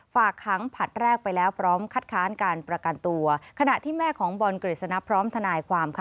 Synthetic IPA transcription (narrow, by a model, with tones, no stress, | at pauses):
faː˨˩kʰːa˩˦ŋpʰa˨˩t̪̚ɾɛː˥˩k̚pa˧jlɛː˦˥wpʰɾɔː˦˥mkʰa˦˥˩t̪̚kʰaː˦˥nkaː˧npɾa˧ka˧nt̪u˧ɐkʰa˧na˨˩ʔt̪ʰiː˥˩mɛː˥˩kʰɔː˩˦ŋbɔ˧nkɾi˨˩t̪̚sa˧na˦˥pʰɾɔː˦˥mt̪ʰa˧naː˧jkʰwaː˧mkʰ